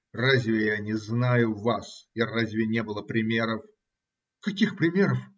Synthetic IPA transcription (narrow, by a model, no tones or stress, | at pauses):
razʲvʲɪjanʲɪznajʊvasarazʲvʲɪnʲe̞bɨlˠəpɾʲɪmʲeɾəf | kɐkʲixpɾʲɪmʲeɾəf